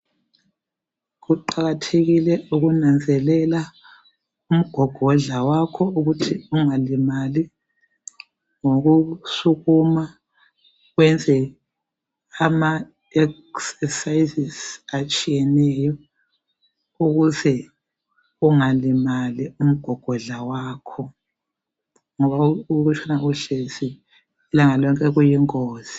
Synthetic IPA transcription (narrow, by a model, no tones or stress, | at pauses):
ɣuǃaɣatʰeɣilɛuɣunand͡zʱɛlɛla | um̩ɡ̥ʱɔɡ̥ʱɔɮawakʰɔuɣutʰiuŋalimali | ŋoɣusuɣuma | ɣwɛnd͡zʱɛ | ama | ɛk | sɛsajizisat͡ʃʼijɛnɛjɔ | uɣuzɛ | uŋalimalium̩ɡ̥ʱɔɡ̥ʱɔɮawaːkʰɔ | ŋɔβauɣut͡ʃʰʼanauɬeziː | laŋalɔŋkʼɛɣujiŋoːz̥i̥